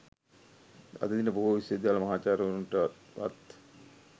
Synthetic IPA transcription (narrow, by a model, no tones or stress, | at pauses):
a̰d̪əd̪inəboɦuʋised̪ejaːlɐmaɦaːt͡ʃaːɾəununʈəʋa̰t̪